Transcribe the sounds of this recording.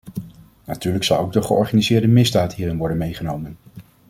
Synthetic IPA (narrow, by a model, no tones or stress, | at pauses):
natyːɹləksɑlˠowɡdəχəɔ̰ɹχanizɪːɹdəmɪzdaːtɦiːrɪnʋɔɹdənmejχənowmən